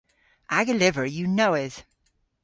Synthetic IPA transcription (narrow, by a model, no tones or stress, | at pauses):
ʔaɡəlɪvə˞jɨnoʊɪθ